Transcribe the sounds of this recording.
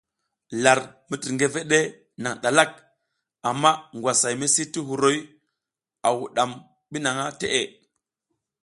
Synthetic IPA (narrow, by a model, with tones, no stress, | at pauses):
la˨ɾmi˦ti˨ŋɡe˦ve˦ɗe˦ | na˨ŋɗa˨la˦˨k̚ | a˨mːa˦ŋɡʷwa˨sa˨jmi˦si˦ti˦ɦu˨ɾo˦j | a˨wu˨ɗa˨m | ɓi˦na˨ŋa˦te˦ʔe˨